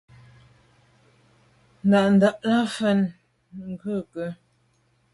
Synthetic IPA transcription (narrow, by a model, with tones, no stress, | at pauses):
n̩˨da˨ʔn̩˨da˦ʔla˦fə˦˨n | ŋ˨ɡʉ˦˨kə˨